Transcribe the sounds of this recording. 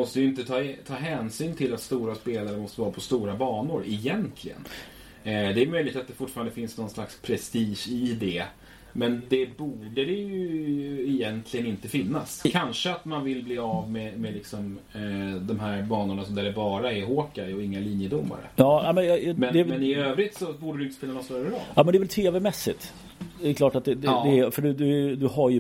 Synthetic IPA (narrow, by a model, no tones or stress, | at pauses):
mɔst̪əjʏɪnt̪ət̪ʰɑːt̪ʰɑːɦɛːnsyːnt̪ʰɪlat̪st̪uːɾaspeːlaɾəmɔst̪əvɑːɾapʰɔst̪uːɾabɑːɳʊɾɪjɛnt̪ʰlɪɡə̰n | d̪ɛæːjmœjlɪk̚t̪at̪̚d̪ɛfʊʈːfːɾand̪əfɪnsnɔnslakspʰɾɛst̪iːʂɪd̪ɛ | mɛnd̪ɛbuːɖəɾɛjɵɪjɛnt̪ʰlɪɡənɪnt̪əfɪnːaskʰanʂəat̪manvɪlbliːavmɛmɛlɪksɔm | d̪ɔmɦæɾbɑːnʊɳasɔmd̪æɾɛbɑːɾaɛɦoːkaɔɪŋːaliːnjəd̪ʊmːa̰ɾə̰jɑːnɛmɛnjmɛnd̪ɛɛnɪøːvɾɪt̪sɔbuːɖəɾʉt̪əspɪlanɔst̪œɾəɾɔ̰ljɑːmɛnd̪ɛvɛlt̪ʰeːvɛmɛsːɪ̰t̪ | d̪ɛɛkʰlɑːʈat̪̚d̪ɛd̪ɛɛfœɖɵd̪ɵd̪ɵɦaɾjɵ